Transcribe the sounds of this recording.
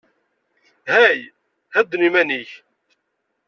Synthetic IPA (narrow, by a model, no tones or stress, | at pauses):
hæj | hæd̪ːnimæniç